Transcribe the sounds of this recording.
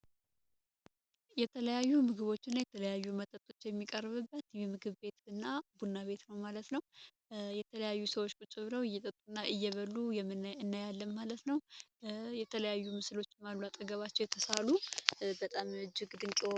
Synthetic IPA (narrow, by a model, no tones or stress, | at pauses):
jɛt̪ʰələjajːumɨɡɨβo̞t͡ʃːɪnːajɛt̪ʰələjajːumət̪ʼət̪ʼːo̞̥t͡ʃːjɛmːikʼərːβɨbːət̪jɛmɨɡɨβbe̞t̪ɨnːabunːaβe̞t̪nəwmalət̪nəw | jɛt̪ʰələjajːusəwo̞t͡ʃːkʼut͡ʃʼːɨβɨləwɨjːɛt̪ʼət̪ʼːunːaʔɨjːɛβəlːujɛmːɨnɨnːajalːəmmalət̪nəw | jɛt̪ʰələjajːumɨslo̞t͡ʃːɪmaluat̪ʼəɡəβat͡ʃːɛwjɛt̪ʰəsalubət̪ʼamɨd͡ʒːɪɡd̪ɨŋkʼe